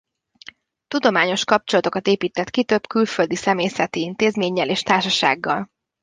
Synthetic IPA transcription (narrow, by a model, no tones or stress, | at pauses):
t̪ud̪o̞maːɲo̞ʃkɒp̚t͡ʃo̞lɒt̪okɒt̪eːpiːt̪ɛt̪kit̪ø̞bkylfø̞ld̪isɛmeːsɛt̪iint̪eːzmeːɲːɛleːʃt̪aːrʃɒʃa̰ːɡːɒl